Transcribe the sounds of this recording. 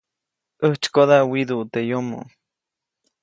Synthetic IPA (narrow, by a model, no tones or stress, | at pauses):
əht͡ʃkoðawiðuʔt̪ejomo̰